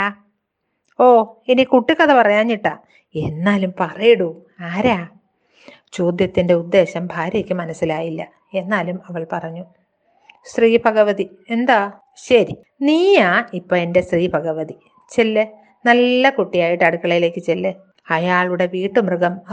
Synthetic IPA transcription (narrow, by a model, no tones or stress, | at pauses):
a | oːenikuʈːikɐðɐpɐrɐjaːnːiʈːa̰ː | e̞nːaːlumpɐrɐjiɽu | aːɾaː | t͡ɕo̞ːd̪jɐt̪ːinde̞ud̪ːe̞ːɕɐmbʱaːɾjekːɨmɐnɐsːilaːjilːɐ | e̞nːaːlumɐʋɐɭpɐrɐɲːu | st̪riːbɐɣɐʋɐði | e̞nd̪aː | ɕɐɾi | niːjaːipːoːende̞st̪riːbʱɐɣɐʋɐði | t͡ɕelːɨ | nɐlːɐkuʈːijaːjiʈːɐɽukːɐɭɐjile̞ːkːɨt͡ɕelːɨ | ɐjaːɭuɽe̞ʋiːʈːɨmrɨɣɐm